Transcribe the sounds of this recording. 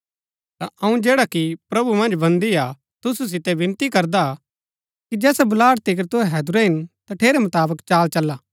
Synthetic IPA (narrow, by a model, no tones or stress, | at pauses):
t̪aʔɐũd͡ʒeːɽakipɾɐbumɐ̃nd͡ʒbɐ̃nd̪ia | t̪ʊsus̬ɪt̪ɛʋɪ̃nt̪ikɐɾd̪a | kid͡ʒɛːsɛbʊlaːɽt̪ɪk̬əɾt̪ʊɦɛɦɛːd̪ʊɾɛɦɪnt̪aʈʰeːɾɛmʊt̪aːbəkt͡ʃaːlt͡ʃɐlːaː